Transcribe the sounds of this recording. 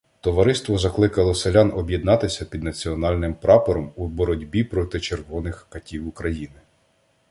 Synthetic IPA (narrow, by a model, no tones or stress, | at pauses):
t̪ɔʋɐɾɪst̪ʋɔzɐklˠɪkɐlˠɔselʲɑnɔbʲjid̪nɑt̪ɪsʲɐpʲid̪nɐt͡sʲiɔnɑlʲnɪmpɾɑpɔɾɔmubɔɾɔdʲbʲipɾɔt̪ɪt͡ʃerɦɔnɪxkɐtʲiwukɾɐjinɪ